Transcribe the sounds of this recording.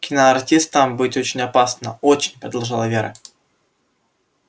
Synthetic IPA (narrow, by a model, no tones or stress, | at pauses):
kʲɪnaɐrtʲist̪əmbɨtʲot͡ɕɪnʲɐpasnəot͡ɕɪnʲpɾəd̪ɐlˠʐɨlˠəvʲeɾə̰